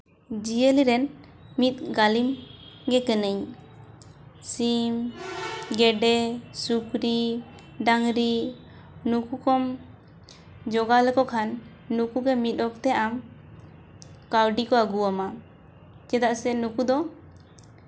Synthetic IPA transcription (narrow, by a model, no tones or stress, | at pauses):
d͡ʒiəliɾɛnmit̪̚ˀɡalimɡɛkɛnəɲ | sim | ɡɛɖɛsukɾi | ɖaŋɾi | nukukɔm | d͡ʒɔɡalɛkɔkʰanː | ukuɡɛmit̪̚ˀɔk̚t̪ɛʔam | kawɖikɔaɡuama | t͡ʃɛd̪aʔsɛnukud̪ɔ